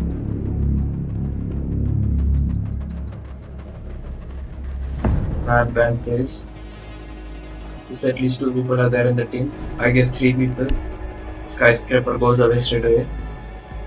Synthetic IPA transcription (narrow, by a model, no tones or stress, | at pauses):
mabæ̃ɳɖfɾez | ɪsɛʈliːsʈːuːpiːpəlaɾd̪eɾɪ̃nd̪əʈĩːmaɪɡes̬t̪ʰɾiːp̬iːpəl | skaɪskɾepəɾɡoːzəʋesʈeɖəʋeː